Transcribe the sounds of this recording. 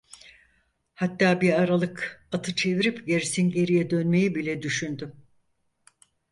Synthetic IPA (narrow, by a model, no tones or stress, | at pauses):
hat̪ːaːbiaɾalˠɯkat̪ʰɯt͡ʃʰe̞viɾipɟeɾisinɟe̞ɾijɛd̪ø̞nme̞jibilʲɛd̪yʃynd̪ym